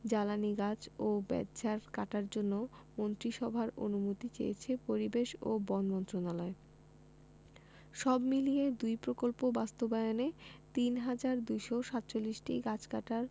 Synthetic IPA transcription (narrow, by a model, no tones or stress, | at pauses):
d͡ʑalaniɡad͡ʑobɛ̰dd͡ʑaɾkaʈaɾd͡ʑonːomont̪ɾiʃɔbʱaɾo̰numot̪it͡ɕḛjḛt͡ɕʰepoɾibeʃo̰bɔnmɔnt̪ɾonalɔe | ʃɔbmilied̪ujpɾokolpobast̪obaeonet̪inɦad͡ʑaɾd̪ujʃoʃat̪ːt͡ɕolːiʃʈiɡat͡ɕkaʈaɾ